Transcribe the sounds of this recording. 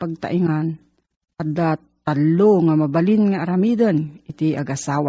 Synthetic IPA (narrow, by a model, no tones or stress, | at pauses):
paɡ̚t̪a̰ʔiŋan | kad̪a | t̪alːoŋamabalɪnŋaaɾamid̪ənɪt̪ɪaɡʔasaːwa